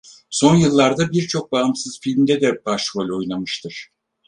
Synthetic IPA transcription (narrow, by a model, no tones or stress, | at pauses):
so̞njɯlˠːaɾd̪abiɾt͡ʃʰo̞k̚baːmsɯz̥filʲmd̪ɛd̪ɛbaʃvolʲo̞jlˠamɯʃt̪ʰɯɾ̥